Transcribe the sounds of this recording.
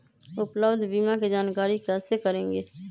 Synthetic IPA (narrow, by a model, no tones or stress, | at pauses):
ʊpləbd̪ʱbiːmaked͡ʒaːnkaːɾikɛsekəɾẽːŋɡeː